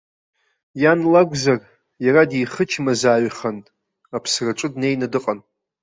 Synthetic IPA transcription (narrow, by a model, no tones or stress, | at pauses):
janlaɡʷzar | jaɾadijχət͡ʃʰmazaːɥχantʼ | apʰsraʈ͡ʂʷʼɨdne̞jnadɨqʼan